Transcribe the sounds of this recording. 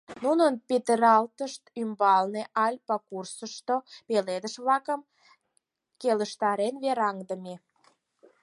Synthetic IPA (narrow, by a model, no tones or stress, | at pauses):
nunənpet̪əɾɑlt̪əʃt̪ymbɑlneʔɑlʲpɑkursəʃt̪opeled̪əʃβlɑkəm | keləʃt̪ɑɾenβeɾɑŋd̪əme